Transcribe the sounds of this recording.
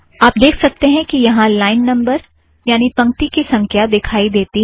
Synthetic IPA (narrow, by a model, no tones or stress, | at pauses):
aːp̚d̪eːkʰsɐk̚t̪eɦɛ̃kijɐɦãlaːɪnːɐ̃mbəɾ | jaːnipɐ̃ŋk̚t̪ikisɐ̃ŋkʰjad̪ɪkʰaːid̪eːt̪i